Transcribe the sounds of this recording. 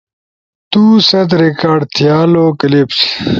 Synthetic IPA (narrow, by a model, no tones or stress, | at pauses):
t̪uːsɐd̪ɾekaːɖt̪ʰijaːloːkɐlepsi̥